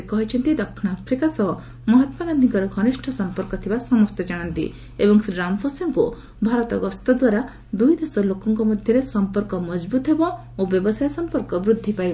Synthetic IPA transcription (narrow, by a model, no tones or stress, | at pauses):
ekɔɦit͡ʃʰɔnt̪id̪ɔkʰːnapʰɾikasɔɦɔ | mɔɦɔt̪maɡand̪ʱiŋkɔɾɔɡʱɔniʃʈʰɔsɔmpɔɾkɔt̪ʰibasɔmɔst̪ed͡ʒaɽ̃ɔnt̪ḭ | ebɔŋseɖɾampʰɔsɔŋku | bʱaɾɔt̪ɔɡɔst̪ɔd̪waɾa | d̪ujd̪esɔlokɔŋkɔmɔd̪ʱjɔɾesɔmpɔɾkɔmɔd͡ʒbut̪ɦebɔ | objɔbɔsajsɔmpɔɾkɔbɾud̪ʱːipajb